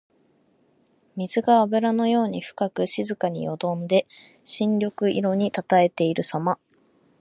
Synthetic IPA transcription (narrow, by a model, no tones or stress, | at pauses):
mʲizɨɡaːbɯ̟ɾano̞jo̞ːɲ̟iɸɯ̟̥kakɯ̟ɕizɨkaɲ̟ḭjo̞d̪õ̞nd̪e̞ | ɕĩnɾʲo̞kɯ̟ʔiɾo̞ɲ̟it̪at̪ae̞t̪e̞iɾɯ̟sama